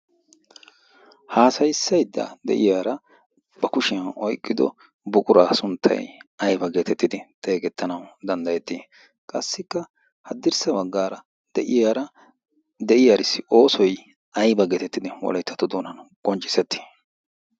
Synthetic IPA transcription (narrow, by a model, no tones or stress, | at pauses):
haːsɐjsːɐjd̪ːa̰ːd̪ɛ̰ʔɪjaːɾɐ | bɐkʊʃɪɐnɔjkʼːɪd̪ɔ̰ | bʊkʼʊɾaːsʊnt̪ʰːɐ̰jɐjbɐɡeːt̪ɛt̪ːɪd̪ɪt̪ʼe̞ːɡɛt̪ːɐnɐwd̪ɐnd̪ɐjɛt̪ːiː | kʼɐsːɪkːɐ | hɐd̪ːɪɾsɐbɐɡːaːɾɐ | d̪ɛʔɪjaːɾɐ | d̪ɛʔɪjaɾɪsːɪʔo̞ːsɔj | ɐjbɐɡeːt̪ɛt̪ːɪd̪ɪwɔ̰lɐjt̪ʰːɐt̪ːʊd̪oːnɐnkʼɔnt͡ʃʼːɪ̥sɛt̪ːɪ̥